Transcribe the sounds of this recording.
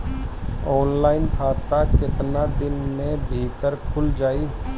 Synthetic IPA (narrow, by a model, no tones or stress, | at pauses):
ɔːnlaːɪnkʰaːt̪akɪt̪nad̪ɪnmẽbʱiːt̪əɾkʰʊld͡ʒaːiː